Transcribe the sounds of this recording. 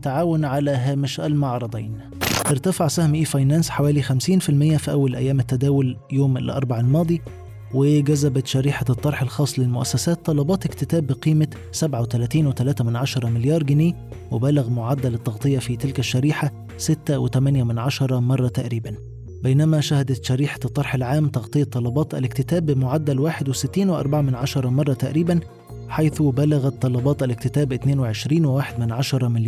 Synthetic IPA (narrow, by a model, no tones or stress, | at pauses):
t̪ːaʕaːwʊnʕalæɦæːmɪʃʔælmaʕɾˤɑd̪ˤiːn | ʔɪɾt̪æfaʕsæhmʔiːfɑjnænsħawæːlixæmsiːnfilmɪjːæfiʔæwːælʔæ̰jːæːmɪt̪ːæd̪æːwʊljoːmɪ̰lʔɑ̰ɾˤbaʕalmɑːd̪ˤi | wɪɡæzæbæt̪ʃæɾiːħat̪ˤːɑɾˤħelxɑːsˤlɪlmʊʔæsːæsæːt̪ːɑlɑbɑːt̪ɪkt̪ɪt̪æːbːɪqiːmæ | sæbʕawet̪ælæːt̪iːnwɪt̪ælæːt̪æmɪnʕaʃɑɾˤɑmɪljɑːɾˤɡɪneː | wɪbæːlaɣmʊʕad̪ːælɪt̪ˤːɑɣt̪ˤɨjːɑfit̪ɪlkæʃːæɾiːħa | sɪt̪ːæwɪt̪æmænjæmɪnʕaʃɑɾˤɑmɑrˤːɑt̪aʔɾiːbæn | bejnæmæʃæhɪd̪æʃæɾiːħḁt̪ˤːɑɾˤħalʕaːmt̪ɑɣt̪ˤɨjːɑt̪ˤːɑlːɑbɑːt̪ʔæ̰lɪkt̪ɪt̪æːbːɪmʊʕad̪ːælwaːħɪd̪wɪsɪt̪ːiːnweʔɑ̰ɾˤbaʕamɪnʕɑʃɑɾˤɑmɑrˤːɑt̪aʔɾiːbæn | ħajθubælæɣæt̪ˤːɑlːɑbɑːt̪ʔælɪk̚t̪ɪt̪æːbʔɪt̪neːnwɪʕeʃɾiːnwɪwaːħed̪mɪnʕaʃɑɾˤɑmɪljː